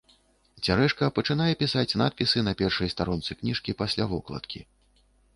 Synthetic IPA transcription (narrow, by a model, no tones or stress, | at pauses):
t͡sʲaɾɛʂkɐpɐt͡ʂɨn̪ajɛpʲisat͡sʲna̰t̪̚pʲisɨnɐpʲɛrʂɨjst̪aɾɔnt̪sɨknʲiʂkʲipasʲlʲavɔklˠɐ̰t̪kʲi